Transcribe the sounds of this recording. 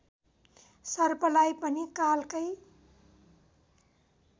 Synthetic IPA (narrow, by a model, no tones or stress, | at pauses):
sʌrpʌlajpʌnikalkʌj